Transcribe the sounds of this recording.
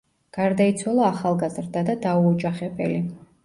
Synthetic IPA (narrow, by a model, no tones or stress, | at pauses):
ɡ̥aɾd̪ait̪sʰwalˠɔaχalˠɡazɾd̪ad̪ad̪auɔd͡ʒaχɛbɛ̰li